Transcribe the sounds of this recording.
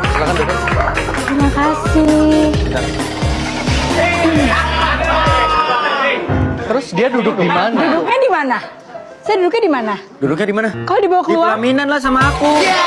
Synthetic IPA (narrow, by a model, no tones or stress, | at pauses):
slakandudʊk̚ | t̪ɾimakasihda | t̪əɾʊsdiadudʊk̚dimanadudʊk̚ɲadimana | sajadudʊk̬̚ɲadimana | dudʊk̚ɲadimanakalodibawakəluaaminanlas̬amaːku